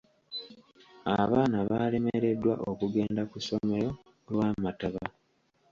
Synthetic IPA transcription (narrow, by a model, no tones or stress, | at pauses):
aβaːnaβaːle̞meɾe̞dːwa̰ʔokuɡe̞ːndakuso̞me̞ɾo̞ | lwaːmataβa